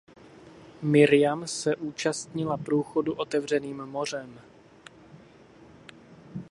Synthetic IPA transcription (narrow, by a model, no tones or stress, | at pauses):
mɪɾɪjamsɛʔuːt͡ʃast̪ɲɪlapɾuːxoduʔo̞t̪ɛvr̝ɛniːmːo̞r̝ɛm